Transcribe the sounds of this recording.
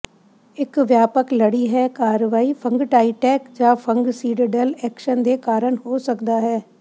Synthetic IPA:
ɪkʋjaːpəkləɽiɦɛːkaːɾʋaːipʰə̃ŋɡʈaːiʈɛːkd͡ʒãːpʰə̃ŋɡsiːɖəɖəlɛːkʃənd̪eːkaːɾəɳɦoːsəkd̪aːɦɛː

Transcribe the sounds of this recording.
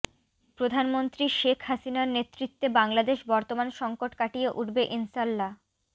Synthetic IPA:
pɾod̪ʱanmont̪ɾiʃekʰhasinaɾnet̪ːɾit̪ːebaŋlad̪eʃbɔɾt̪omanʃɔŋkoʈkaʈijeʔuʈbeʔinsalːa

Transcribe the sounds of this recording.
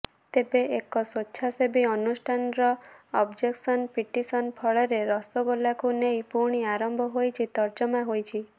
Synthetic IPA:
t̪ebeekɔswɔtːʃʰasebiɔnusʈʰanɾɔɔbd͡ʒeksɔnpiʈisɔnpʰɔɭɔɾeɾɔst̪ɔɡolakunejpuɾɳ̃iaɾɔmbʱɔɦojt͡ʃʰit̪ɔɾd͡ʒɔmaɦojt͡ʃʰi

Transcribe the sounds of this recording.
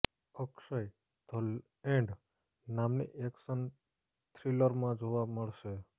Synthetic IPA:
əkʃəj | d̪ʰəl | ẽɳɖ | namnḭʔeksən | t̪ʰɾiləɾmãd͡ʒoʋaməɭʃe

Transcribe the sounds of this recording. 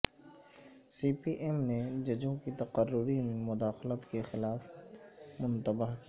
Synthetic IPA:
siːpiʔɛmned͡ʒɐd͡ʒõkit̪ɐqərːʊɾinemʊd̪aːxlət̪kexɪlaːf | mʊ̃nt̪əbaɦki

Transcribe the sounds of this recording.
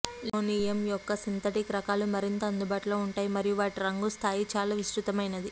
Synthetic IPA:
loːnijɐmjɔkːɐsint̪ʰɐʈikɾɐkaːlumɐɾint̪ɐːnd̪ubaːʈuloːuɳʈaːjimɐɾijuʋaːʈiɾɐŋɡust̪ʰaːjit͡ʃaːlaːʋiʃɾut̪ɐmɐjnɐd̪i

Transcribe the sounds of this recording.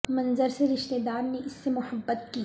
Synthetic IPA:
mɐ̃nzəɾseɾɪʃt̪ed̪aːɾneɪsːemʊhəbːət̪kiː

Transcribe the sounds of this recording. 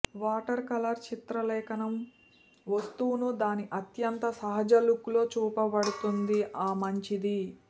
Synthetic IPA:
ʋaːʈɐɾkɐlɐɾt͡ʃit̪ɾɐlɛːkɐnɐm | ʋɐst̪uːunud̪aːniʔɐt̪jɐnt̪ɐsɐɦɐd͡ʒɐlukulo̞ːt͡ʃuːpɐbɐɽut̪und̪iʔaːmɐɲt͡ʃid̪i

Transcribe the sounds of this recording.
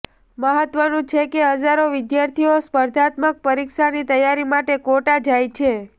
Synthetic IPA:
məɦət̪ʋənũt͡ʃʰekeɦəd͡ʒaɾoʋɪd̪jaɾt̪ʰijospəɾd̪ʱat̪mək̚pəɾikʃanit̪əjaɾimaʈekoʈad͡ʒajt͡ʃʰe

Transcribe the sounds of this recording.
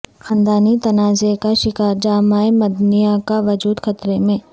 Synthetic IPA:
xaːnd̪aːnit̪ɐnaːzekaʃɪkaːɾd͡ʒaːmaːemɐd̪nijakaʋɐd͡ʒuːd̪xɐt̪ɾemẽː

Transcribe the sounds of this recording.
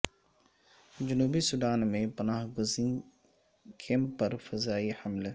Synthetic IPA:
d͡ʒʊnuːbisudaːnmẽpənaːɦɡʊzĩ | kʰẽːmpɐɾfəzaːihəml

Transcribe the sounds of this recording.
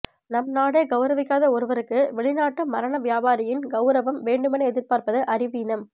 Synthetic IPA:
nɐmnaːɽeːɡɐʊɾɐʋɪkːaːðɐɔɾɯʋɐɾɯkːɯʋɛɭɪnaːʈːɯmɐɾɐnɐʋjaːbaːɾɐjɪnɡɐʊɾɐʋɐmʋeːɳɖɯmɐnɐɛðɪɾpaːɾpɐðɯʔɐɾɪʋinɐm

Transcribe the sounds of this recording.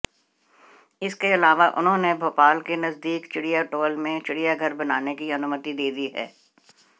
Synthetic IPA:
ɪskeɐlaːʋaʔʊ̰nɦõnebʱoːpaːlkenɐzd̪iːkt͡ʃɪɽijaʈoːlmẽt͡ʃɪɽijaɡʱɐɾbɐnaːnekiɐnuːmət̪id̪eːd̪iɦɛ̰ː

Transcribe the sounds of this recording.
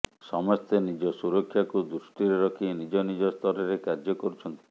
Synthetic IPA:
sɔmɔst̪enid͡ʒɔsuɾɔkʰːjakud̪ɾusʈiɾeɾɔkʰinid͡ʒɔnid͡ʒɔst̪ʰɔɾɔɾekaɾd͡ʒɔkɔɾut͡ʃʰɔnt̪i̥

